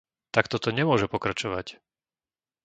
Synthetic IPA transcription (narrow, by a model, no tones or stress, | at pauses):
t̪akt̪ɔt̪ɔɲɛmʊɔʒɛpɔkɾat͡ʃɔʋac